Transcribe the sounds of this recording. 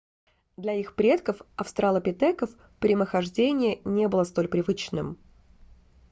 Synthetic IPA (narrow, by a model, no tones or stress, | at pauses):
d̪lʲɐixpɾʲe̞t̪kəfɐfst̪ɾʔalˠəpʲɪt̪ɛkəf | pɾʲɪməxɐʐdʲenʲɪjənʲe̞bɨlˠəst̪o̞lʲpɾʲɪvɨt͡ɕnɨ̰m